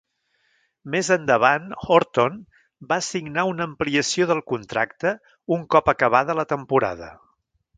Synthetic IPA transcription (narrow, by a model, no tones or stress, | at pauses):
mezənd̪əβ̞anoɾt̪on | basiɡnaunəmpliəsioðəlˠkunt̪ɾakt̪ə | uŋkɔpəkəβ̞aðələt̪əmpuɾa̰ðə